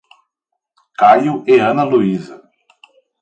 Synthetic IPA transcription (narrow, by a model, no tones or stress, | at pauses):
kajʊʔeɐ̃nɐluizɐ